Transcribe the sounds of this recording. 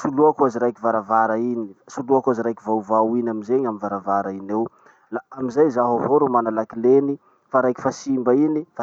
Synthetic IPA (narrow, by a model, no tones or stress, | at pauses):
suluakuaziɾajkivaɾavaɾainisuluakaziɾajkivawvawinamizeɲamivaɾavaɾainew | laamizajzaɦovoɾumanalakileni | faɾajki̥fasimbainifa